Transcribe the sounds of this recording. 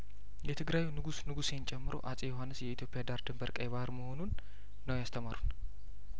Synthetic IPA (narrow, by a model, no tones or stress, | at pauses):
jɛt̪ʰɨɡɾajunɨɡusnɨɡusent͡ʃʼɛmːɨɾʔo̞̰ʔasʼejoɦanːɨsjɛit̪ʰjo̞pʼɪjad̪aɾd̪ɨmbəɾkʼəjβahɨɾməho̞nunː | əwjast̪ʰəmaɾun